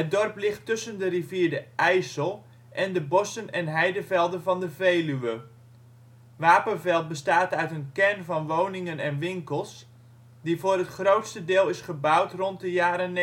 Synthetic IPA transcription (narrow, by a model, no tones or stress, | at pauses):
ɦət̚dɔrplɪχtːɵsəndəriviːɹdəʔɛjsəlˠ | ʔɛndəbɔsənɛnɦɛjdəvɛlˠdənvɑndəvejlyʋə | ʋaːpənvɛlˠt̚bəstaːtœɥtənkɛrnvɑnʋownɪŋənɛnʋɪŋkəlˠs | divoːrətχrowtstədɪːlˠɪsχəbawtrɔnt̚dəjaːɾən